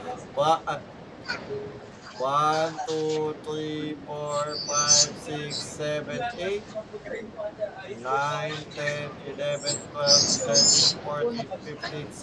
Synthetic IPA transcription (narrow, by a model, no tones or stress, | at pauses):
waʔ | want̪ut̪ɹifɔɹfajvsiksɛvɛ̃net | najnɛnilɛvɛ̃nfɛltɛfɔɹt̪ififti